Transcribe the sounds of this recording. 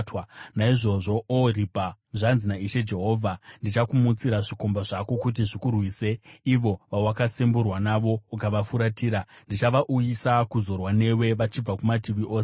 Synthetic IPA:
twanaiʐo̞ʐo̞oripaʐanzinaiʃe̞d͡ʒe̞ɦo̞ːvʱandit͡ʃakumut͡siɾaʐikombaʐako̞kut̬iʐikurwiːse̞iʋo̞ʋawakasemburwanaʋo̞ukaʋafuɾatiːɾandit͡ʃaʋaʔujisakuzo̞rwane̞we̞ʋat͡ʃib͡vakumatiʋiʔo̞ːse

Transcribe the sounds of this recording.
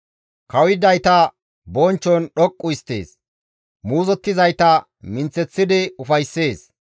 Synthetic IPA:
kɐwɪd̪ɐjt̪ɐ | bɔːnt͡ʃːɔnɗɔkʼːʊɪst̪ːe̞̰ːs | muːzɔt̪ːɪzɐjt̪ɐ | mɪnt͡sːɛt͡sːɪd̪ɪʊfɐjsːe̞ːs

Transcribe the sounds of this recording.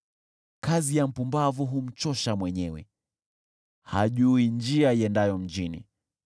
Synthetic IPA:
kazijam̩pumbavuɦum̩t͡ʃɔʃamwɛɲɛwɛ̰ | haʄuind͡ʒiaiɛndajɔm̩d͡ʒinḭ

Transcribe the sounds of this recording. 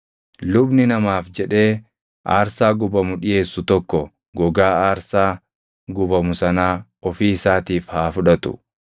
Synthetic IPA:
lʊbnɪnɐmaːfd͡ʒɛᶑe̞ː | ʔa̰ːɾsaːɡʊbɐmʊᶑɪje̞ːsːʊt̪ɔkːɔ | ɡɔɡaːaːɾsaː | ɡʊbɐmʊsɐnaːɔfiːɪsaːt̪iːfhaːfʊᶑɐt̪ʊ̰

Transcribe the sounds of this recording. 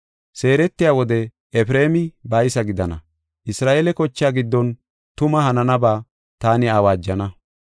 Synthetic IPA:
se̞ːɾɛt̪ːɪjaːwɔd̪ɛ | ɛfɾe̞ːmɪbɐjsɐɡɪd̪ɐnɐ̰ | ʔɪsɾaːʔelɛkɔt͡ʃːaːɡɪd̪ːɔn | t̪ʊmɐhɐnɐnɐbaː | t̪aːnɪaːwaːd͡ʒːɐnɐ

